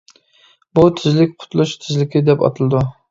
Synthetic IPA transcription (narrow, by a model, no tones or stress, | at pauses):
but̪ʰɪzlɪkʲqʰʊ̥t̪ʰlˠuʃt̪ʰɪzlɪkʲɪd̪ɛpɑ̰t̪ʰɨlˠɨd̪u